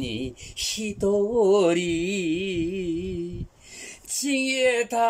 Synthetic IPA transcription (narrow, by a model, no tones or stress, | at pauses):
niɕit̪owoɾi | t͡ɕʰiŋjet̪ʰa